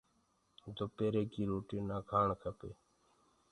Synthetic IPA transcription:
d̪opeːɾeːkiːɾoːʈiːnaːkʰaːɳkʰəpeː

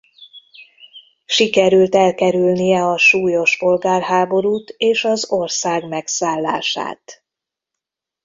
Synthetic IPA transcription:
ʃikɛɾylt̪ɛlkɛɾylnijɛɒʃuːjo̞ʃpo̞lɡaːrɦaːbo̞ɾuːt̪eːʃɒzo̞rsaːɡmɛksaːlːa̰ːʃa̰ːt̪

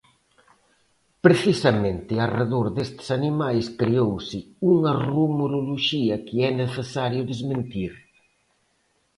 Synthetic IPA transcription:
pɾeθisɐmẽnt̪ɪareðoɾðest̪ɪ̥sanimajskɾeowsɪuŋɐrumoɾoloʃiɐkɪɛneθesaɾjʊðezmẽnt̪iɾ

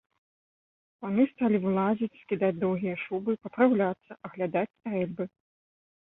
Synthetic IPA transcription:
panust̪alʲivɨlˠazʲit͡sʲskʲid̪ad͡zʲd̪ɔwɣʲijɐʂubɨpɐpɾawlʲat̪sːɐʔɐɣlʲad̪at͡sʲst̪ɾɛlʲbɨ

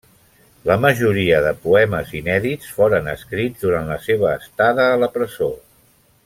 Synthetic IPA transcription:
ləməʒuɾiəðəpuɛməzinɛðit͡sfoɾənə̰skɾid͡zd̪uɾanləseβ̞əːst̪aðəːləpɾəzo

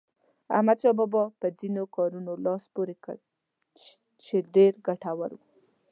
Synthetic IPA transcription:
a̰hmad̪ʃɑbɔbɑpəd͡zinokɑɾunolɑspoɾekə̰ | t͡ʃeɖeɾɡaʈawə̰ɾwu

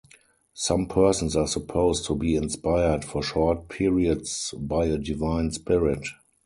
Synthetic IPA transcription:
sãmpʰɜ˞sə̃n̩saːsəpʰoʊstʰːubiːɪ̃nspaɪə˞dfɔʃɔt̚pʰɪɹiədsbaɪədɪvãɪ̃nspɪɹɪt

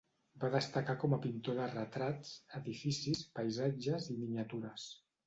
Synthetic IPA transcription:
baðəst̪əkakɔməpint̪oðərət̪ɾat͡səðifisispəjzad͡ʒəzimiɲət̪uɾəs

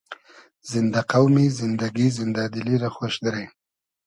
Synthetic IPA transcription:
zɪnd̪aqawmizɪnd̪aɡizɪnd̪ad̪ɪliɾaxwaʃd̪aɾaj

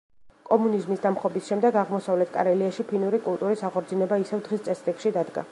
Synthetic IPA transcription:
kʼɔmunizmisd̪amχɔbisʃɛmd̪ɛɡaʁmɔsavlɛt̪ʰkʼa̰ɾɛliaʃipʰinuɾikʼulˠt̪ʼuɾisaʁɔɾd̪zinɛbaisɛvd̪ʁist̪sʼɛsɾikʃid̪ad̪ɡa̰

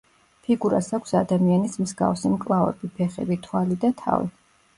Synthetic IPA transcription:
pʰiɡuɾasakʷʰsad̪amianismzɡa̰fsimkʼlˠavɛ̰bipʰɛχɛ̰bit̪ʰwalid̪at̪ʰa̰vḭ

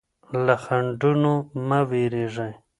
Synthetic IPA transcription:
laxaɳɖunomaweɾeʐaj

